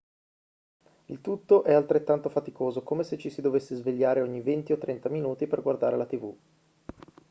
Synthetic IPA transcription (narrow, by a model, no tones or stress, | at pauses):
ilt̪ut̪ːoʔɛalt̪ɾet̪ːant̪ofat̪ikoːzokomeset͡ʃisid̪ovesːezveʎːaːɾeoɲːivent̪iot̪ːɾɛnt̪aminuːt̪iperɡward̪aːɾelat̪ivu